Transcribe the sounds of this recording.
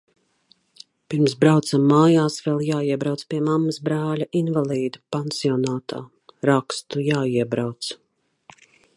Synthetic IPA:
piɾmsbɾawt̪samːaːjaːsvɛlˠjaːiɛbɾawt̪spiɛmamːəsbɾaːlʲaʔinvalˠiːd̪upansiɔnaːt̪aː | ɾakst̪ujaːiɛbɾawt̪s

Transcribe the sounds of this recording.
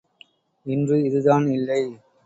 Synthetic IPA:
ɪndrɯɪðɯðaːnɪlːɐɪ

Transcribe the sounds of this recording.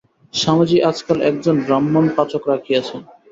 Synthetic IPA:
ʃamad͡ʑiad͡ʑkalʔɛkd͡ʑonɖɾamːonpat͡ɕokɾakʰiat͡ɕʰen

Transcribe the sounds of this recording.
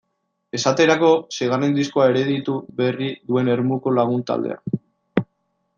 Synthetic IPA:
e̞sat̪e̞ɾako̞seɣ̞arend̪iskoae̞ɾe̞ðit̪uβe̞riðue̞ne̞ɾmuko̞laɣ̞unt̪a̰ld̪ḛa̰

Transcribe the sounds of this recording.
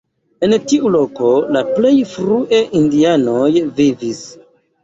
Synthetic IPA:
e̞ntiʔulo̞ko̞laple̞jfɾuʔe̞ʔindiano̞jvivis

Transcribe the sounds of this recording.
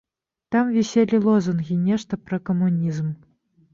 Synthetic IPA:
t̪ɑmvʲisʲelʲilˠozunɣʲinʲeʂt̪əprɐkomunʲizm

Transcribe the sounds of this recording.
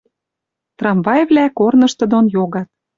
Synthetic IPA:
t̪rɑmvɑjvlækornɤ̆ʃt̪ɤ̆d̪onjoɣɑt̪̚

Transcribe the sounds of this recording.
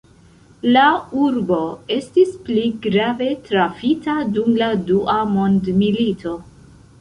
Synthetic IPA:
lauɾbo̞e̞stispliɡɾave̞tɾafitadumladuʔamo̞ndmilitʰo̞

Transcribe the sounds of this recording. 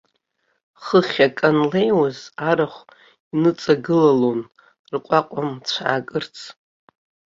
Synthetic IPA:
χəχʲakʼanlejwazaɾaχʷ | inɨt͡sʼaɡɨlalon | rqʷʼaqʷʼamt͡ɕʷʰaakʼɨrt͡sʰ

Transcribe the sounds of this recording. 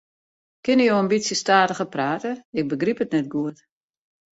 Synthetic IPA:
kɪnəjowənbisjəstaːtəɣəpraːtəɪk̚bəɡripətnɛt̚ɡuət

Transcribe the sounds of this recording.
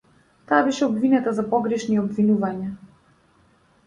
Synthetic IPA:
t̪aːbɛʃɛɔbvinɛt̪azapɔɡɾɛʃniɔbvinuvaɲa

